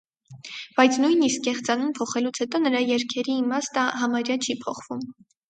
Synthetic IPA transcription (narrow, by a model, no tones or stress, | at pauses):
b̥ɑjt͡sʰnujniskːɛχt͡sɑnumpʰɔχɛlut͡sʰhɛt̪ɔnəɾɑjɛɾkʰɛɾiːmɑst̪əɦɑmɑɾjɑt͡ʃʰipʰɔχvum